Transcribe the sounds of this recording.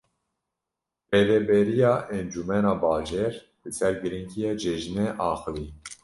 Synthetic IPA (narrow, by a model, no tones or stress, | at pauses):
bɛvɛbɛɾijɑːʔɛnd͡ʒumɛnɑːbɑːʒɛɾ | l̥ɨsɛɾɡɨɾiŋkʰijed͡ʒɛʒnɛʔɑːxəviː